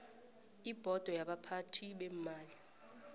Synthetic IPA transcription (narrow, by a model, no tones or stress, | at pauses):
ib̥ʱɔd̥ʱɔjaɓapʰatʰiɓɛm̩maːli